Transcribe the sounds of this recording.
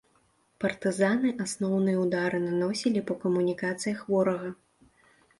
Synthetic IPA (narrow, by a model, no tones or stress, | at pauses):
pɐrt̪ɨzanɨʔasnɔwnɨjɛwd̪aɾɨnanɔsʲilʲipɐkɐmunʲikat̪sɨjɐxvɔɾɐɣɐ